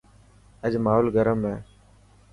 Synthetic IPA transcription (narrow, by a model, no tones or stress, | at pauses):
əd͡ʒmaːɦoːlɡəɾəmeː